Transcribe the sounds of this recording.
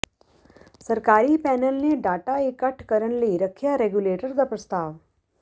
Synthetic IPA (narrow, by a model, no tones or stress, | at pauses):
sɐɾkaːɾipɛːnəlneɖaːʈaeːkːɐʈʰkɐɾənliɾɐkʰːjaɾeːɡjuleːʈəɾd̪aːpɾɐst̪aːʋ